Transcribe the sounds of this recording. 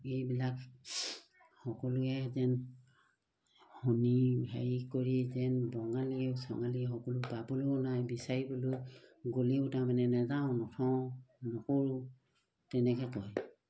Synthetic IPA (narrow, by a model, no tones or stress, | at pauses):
ejbilak | hɔkɔlʊɛzɛn | hɔnibʱajikoɹizɛnbɔŋaliesɔ̰ŋaliɛxɔkɔlʊpabulunajbisaɹibɔlʊjɡuliʊtamanɛnazaʊ̃nɔtʰɔ̃nɔkɔɹʊ | tɛnɛkʰɛkɔj